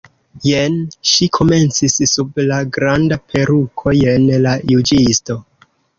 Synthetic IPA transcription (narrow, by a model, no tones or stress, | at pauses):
jenʃikʰo̞me̞nt͡sisːublaɡɾandapʰe̞ɾukʰo̞jenlajud͡ʒisto̞